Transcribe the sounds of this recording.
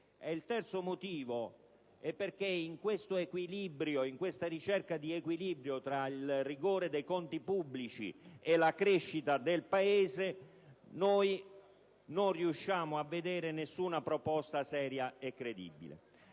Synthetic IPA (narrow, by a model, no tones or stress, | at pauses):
ɛilt̪ɛrt̪somot̪iːvo | ɛpːerkeiŋkwest̪oekwilibɾjoiŋkwest̪aɾit͡ʃɛrkad̪iekwilibɾjot̪ɾailrːiɡoːɾed̪ejkɔnt̪ipubːlit͡ʃḭelakɾeʃːit̪ad̪elpaeːze | noj | nonriuʃːaːmʊavːed̪ɛːɾenesːunapɾopɔst̪asɛːɾjaekːɾed̪ḭbḭlḛ